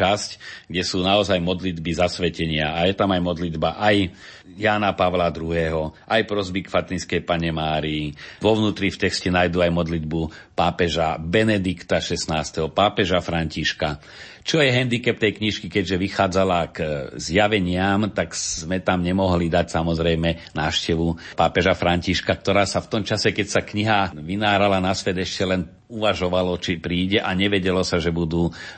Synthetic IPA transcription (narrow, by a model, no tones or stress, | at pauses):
ascɡɟɛsuːnaɔzajmɔd̪lid̪bizasʋɛcɛɲɪaːjɛt̪amajmɔd̪lid̪baʔaj | jaːnapaʋlad̪ɾuɦɛːɦɔʔajpɾɔzbikfat̪inskɛjpaɲɛmaːɾiiʋɔʊnuːt̪ɾift̪ɛkscɛnaːjd̪uajmɔd̪lid̪bupaːpɛʒabɛnɛd̪ikt̪aʃɛsnaːst̪ɛɦɔpaːpɛʒafɾaɲciʃka | t͡ʃɔjɛɦɛnd̪ikɛp̚t̪ɛjkɲiʃkikɛɟʒɛʋixaːd͡zalaɡzjaʋɛɲɪamt̪akz̥mɛt̪amɲɛmɔɦlid̪acsamɔzɾɛjmɛnaːʃcɛʋupaːpɛʒafɾaɲciʃkakt̪ɔɾaːsaft̪ɔmt͡ʃasɛkɛcsakɲiɦaʋinaːɾalanasʋɛd̪ɛʃcɛlɛn | uʋaʒɔʋalɔt͡ʃipɾiːɟɛʔaɲɛʋɛɟɛlɔsaʒɛbud̪uː